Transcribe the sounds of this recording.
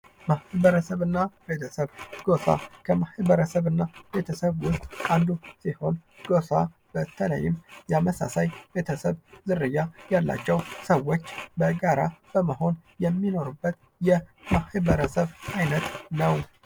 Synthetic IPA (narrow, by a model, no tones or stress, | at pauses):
mahbəɾəsəβɨnːabe̞t̪ʰəsəβɡosa̰kʰəmahɨβəɾəsəβɨnːabe̞t̪ʰəsəβwʊst̪ʼand̪usiho̞nɡ̥o̞sa | b̥ət̪ʰːələ̰jːɪmjɛaməsa̰sajbe̞t̪ʰəsəβzɨɾːɨjːajalːa̰t͡ʃːɛwsəwo̞t͡ʃːbəɡaɾab̥əməho̞njɛmːino̞ɾubːət̪ | jɛmahβəɾəsəβajnət̪nəw